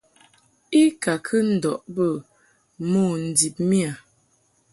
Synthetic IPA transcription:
i˦ka˨kʰə˦n̩˦˨dɔ˨ʔbə˦˨ | mo˦˨n̩˨di˨p̚mi˦a˨

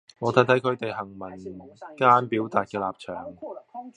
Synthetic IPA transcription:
ŋɔː˨˧t̪ʰa˨˥t̪ʰɐ˨˥jkʰɵ˧t̪e˨jɦɐ˨˩ŋmɐ˨˩nkaː˥npiː˨˥wt̪aː˨t̚kɛː˧laː˨p̚t͡ʃʰœː˨˩ŋ

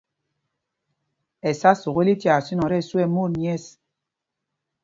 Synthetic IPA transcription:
ɛ˨sa˦su˨ɣe˦li˦tja˨si˦nɔ˨ɾɛ˦˨su˦ɛ˦˨mo˦˨ɾɲi˦ɛ˦˨s

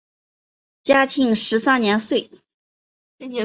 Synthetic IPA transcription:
t͡ɕja˥t͡ɕʰi˥˩ŋʂɻ̩˧˥sa˥nnjɛ˧˥nswe˥˩ɪ˥˧˥

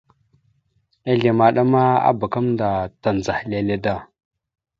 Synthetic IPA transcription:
a˦ɮe˨ma˨ɗa˦ma˦a̰˦ba˨ka˦mnda˨ta˨n˨d͡za˨hle˨le˨da˦˨

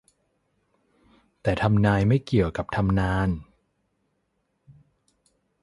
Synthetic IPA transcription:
t̪ɛː˨˩t̪ʰa˧mnaː˧jma˥˩jki˨˩əwka˨˩p̚t̪ʰa˧mnaː˧˥n

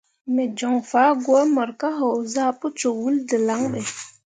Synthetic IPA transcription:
me˨d͡ʒo˨ŋfa˨˦ɡwa˦mə˨ɾka˦ɦo˨wza˦pu˦t͡ʃo˨wu˦ldə˨la˦ŋɓe˨

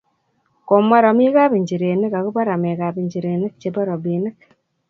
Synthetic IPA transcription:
ko˨ma˦ɾa˨mi˦ka˦bi˨ɲd͡ʒi˨ɾe˨ne˦ka˨ku˦ba˦ɾa˨me˨ka˨bi˨ɲd͡ʒi˨ɾe˨nɪ˦k̚t͡ʃe˨bɔ˦ɾo˨bi˨nɪ˦k̚

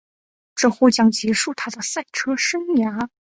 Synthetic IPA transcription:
ʈ͡ʂɤ˥˧˩xo˥˧˩t͡ɕjɑ˥ŋt͡ɕɛ˧˥ʂu˥˩t̪ʰa˥d̪ə˨sa˥˩ɪʈ͡ʂʰɤ˥ʂə˥ŋja˧˥

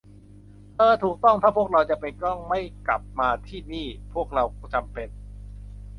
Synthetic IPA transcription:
ʔɤː˧t̪ʰuː˨˩k̚t̪ɔ˥˩ŋt̪ʰaː˥˩pʰu˥˩əkɾa˧wt͡ɕa˨˩pe˧nkɔ˥˩ŋma˥˩jkla̰˨˩p̚maː˧t̪ʰiː˥˩niː˥˩pʰu˥˩ək̚ɾa˧wt͡ɕa˧mpe˧n

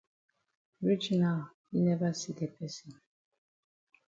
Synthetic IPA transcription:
ɹi˦d͡ʒnal | ji˦nɛ˦va˦side˨pʰɛ˦sĩ˨n

